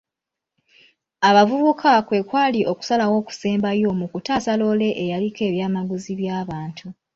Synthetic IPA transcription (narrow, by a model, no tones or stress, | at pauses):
aβavuβukʰakwe̞kwaːliʔo̞ku̥salawo̞ːku̥seːmbajo̞ːmukutasalo̞ːle̞ʔejalike̞ːβjaːmaɡuziβjaːβaːntʰu